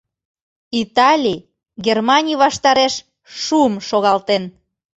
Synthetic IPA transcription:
it̪ɑlʲi | ɡʲermɑnʲijβɑʃt̪ɑɾeʃ | ʃuəmʃoɣɑlt̪en

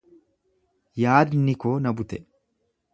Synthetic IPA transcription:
jaːd̪nɪkoːnɐbʊt̪ɛ

